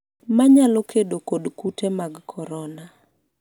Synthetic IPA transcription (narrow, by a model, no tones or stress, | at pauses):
maɲalɔkedokodkutemaɡkʰɔɾɔna